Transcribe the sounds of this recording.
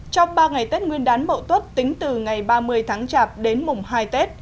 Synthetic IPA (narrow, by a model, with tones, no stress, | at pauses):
t͡ɕɔ˧wŋ͡mɓaː˧ŋa˨˩jt̪e˦˥t̚ŋwi˧ənɗaː˨˦nmə̰˧˨wt̪wə˦˥t̚t̪ï˨˦ŋ̟t̪ɨ˨˩ŋa˨˩jɓaː˧mɨ˧əjt̪ʰaː˨˦ŋt͡ɕaː˧˩p̚ɗe˨˦nmʊ˨˩ŋ͡mɦaː˧jt̪e˦˥t̚